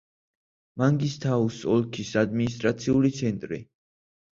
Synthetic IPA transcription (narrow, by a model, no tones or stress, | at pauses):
maŋɡist̪ʰausɔlkʰisad̪minist̪ʼɾat̪sʰiulit̪sʰɛnt̪ʼɾḭ